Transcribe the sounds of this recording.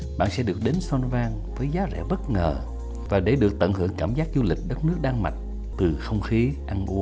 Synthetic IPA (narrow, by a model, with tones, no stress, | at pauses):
ɓa̰ː˧˨nsɛ̰˧˥ɗɨ˨˩ək̚ɗe˨˦nswa˧nvaː˧ŋ | vəː˨˦jzaː˨˦zɛ̰˧˥ɓə˦˥t̚ŋəː˨˩ | vaː˨˩ɗe˧˩ɗɨ˨˩ək̚t̪ə̰˧˨nhɨ˧˩əŋkaː˧˩mzaː˦˥k̚zu˧lï˨˩k̟̚ɗə˦˥t̚nɨ˦˥ək̚ɗaː˧ŋma˨˩t̚ | t̪ɨ˨˩xə˧wŋ͡mxi˨˦ʔa˧nʔu˨˦ə